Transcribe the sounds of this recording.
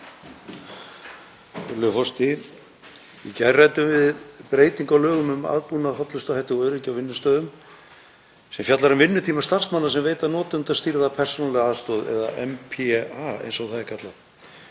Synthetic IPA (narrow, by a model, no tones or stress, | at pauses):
lʏfɔst̪ɪ | ɪcajrajt̪ʏmvɪðpɾeːjt̪iŋkawlœːɣʏmʏma̰ːðpunafɔt̪lʏst̪ahajht̪ɪɣœːɥɾɪcawvɪnːʏst̪œːðʏm | sɛmfjat̪laɾʏmvɪnːʏt̪ʰiːmast̪ar̥smanːasɛmveːjt̪anɔːt̪ʏnt̪aðst̪iɾðapʰɛr̥sɔnalɛɣaːðst̪ɔːðɛ̰ða̰ʔɛmpʰaḛjnsɔɣθaðɪkʰat̪la